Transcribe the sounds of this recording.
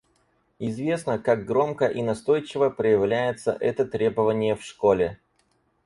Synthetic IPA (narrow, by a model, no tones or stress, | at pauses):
ɪzvʲe̞snəkaɡ̚ɡɾo̞mkəʔinɐst̪o̞jt͡ɕɪvəpɾəjɪvlʲæjɪt̪sə̰ʔɛt̪ət̪ɾʲe̞bəvənʲɪjəfʂko̞lʲɪ